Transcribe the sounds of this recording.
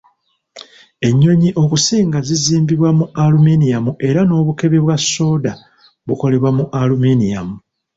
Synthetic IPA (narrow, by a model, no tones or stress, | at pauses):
e̞ɲːo̞ɲiʔo̞kusiːŋɡaziziːmbiβwamualuminijamuʔe̞ɾano̞ːβuke̞βe̞βwasːo̞ːda | βuko̞le̞βwamuʔaluminija̰mu